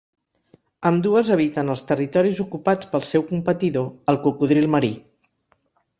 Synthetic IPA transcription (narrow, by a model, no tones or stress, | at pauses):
əmd̪uəzəβ̞it̪ənəlˠst̪ərit̪ɔɾizukupat͡spəlˠsɛwkumpət̪iðoəlˠkukuðɾilˠməɾi